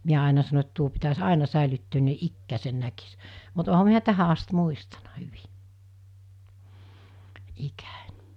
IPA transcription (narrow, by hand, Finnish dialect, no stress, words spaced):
miæ ɑˑenɑ sɑno et tuo pitæs ɑˑenɑ sæˑelytːøːn ni̞ ikːæːsen nækis mut ohɑ miæ tæhæ ɑst muistɑnɑ̥ hyʋi̥ ikæ̥n̥ʲ